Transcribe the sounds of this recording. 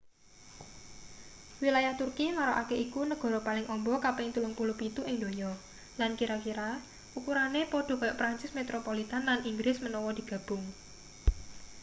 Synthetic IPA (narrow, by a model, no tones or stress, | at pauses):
wilajaht̪urkimaɾɔʔakeikunəɡ̥ɔ̤ɾɔpalɪŋʔɔmbɔkapɛɪŋt̪ulʊŋpulupit̪uʔɪŋd̪o̤jɔ | lankiɾakiɾa | ʔukuɾanepoɖ̥ɔ̤kajɔʔpɾaɲt͡ʃɪsmet̪ɾopolit̪anlaniŋɡɾɪsmənɔwɔd̪̥i̤ɡ̥ä̤b̥ʊ̤ŋ